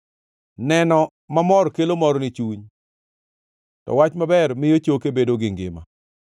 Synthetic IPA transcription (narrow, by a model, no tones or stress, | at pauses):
nɛnɔ | mamɔrkelomɔɾnɪt͡ʃuɲ | tɔ̰wat͡ʃmabɛrmɪjot͡ʃokebedoɡɪŋɡɪ̰ma̰